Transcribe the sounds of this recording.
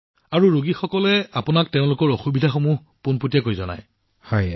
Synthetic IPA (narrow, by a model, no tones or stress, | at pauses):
aɹuɹuɡixɔkɔlɛapʊnak̚teʊ̃lʊkɔɹoxubidʱaxomuh | punputijakojzɔna̰j | hɔj